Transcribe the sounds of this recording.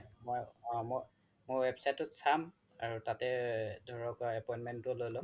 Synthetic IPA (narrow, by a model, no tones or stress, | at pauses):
mɔjmɔj | mojwɛbsajtɔtsam | aɹutatɛdʱɔɹɔkɛpɔjntmɛntʊlojlʊ̃